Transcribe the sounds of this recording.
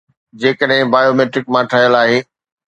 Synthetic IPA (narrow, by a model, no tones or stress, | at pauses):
d͡ʑeːkəɗɦɪ̃baːjoːmeːʈɾɪk̚mãʈʰaːjəlaːɦeː